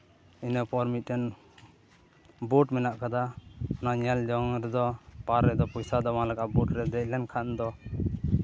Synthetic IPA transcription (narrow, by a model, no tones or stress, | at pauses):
inəpɔɾmit̪̚ɾɛn | buʈmɛnaʔkad̪aɔnaʔɲɛld͡ʒɔŋɾɛd̪ɔpaɾːɛd̪ɔpɔjsad̪ɔmãlaɡaʔbuʈɾɛd̪ɛc̚ˀlɛnkʰand̪ɔ